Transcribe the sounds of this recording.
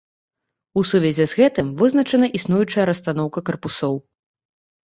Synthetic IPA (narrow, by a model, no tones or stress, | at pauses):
usuvʲɛzʲɛzɣɛt̪ɨmvɨznɐt͡ʂɐnɐʔisnujut͡ʂɐjɐɾɐst̪an̪ɔwkɐkɐrpusɔw